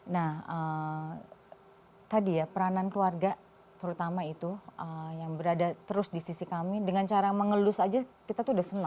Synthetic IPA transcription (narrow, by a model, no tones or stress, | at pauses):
nahə | t̪adijapəɾanankluarɡa | t̪əɾut̪amait̪uʔəjaŋbəɾadat̪əɾʊsdisisikamidəŋant͡ʃaɾaməŋəlʊsad͡ʒakit̪at̪uːdahsənaŋ